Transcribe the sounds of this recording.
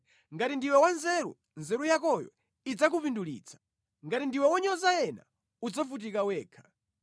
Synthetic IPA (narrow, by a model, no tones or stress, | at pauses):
ŋɡatindiwɛwanzɛɾṵ | nzɛɾujakɔjɔ̰ | id͡zak̬upindulḭːt͡sʰḁ | ŋɡatindiwɛwɔɲɔzajɛna̰ | ud͡zafut̬ikawɛːkʰḁ